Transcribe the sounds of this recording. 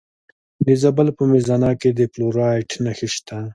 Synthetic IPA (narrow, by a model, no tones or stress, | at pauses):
nizabalpəmezanɑked̪eploɾɑʈnaxiʃt̪ʰa